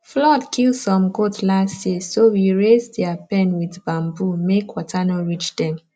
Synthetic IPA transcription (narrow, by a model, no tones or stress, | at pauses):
flɔdkʰilsɔ̃mɡotlasjesowiɹezdɛapɛ̃nwidbãmbumekwɔtʰanɔɹit͡ʃdɛ̃m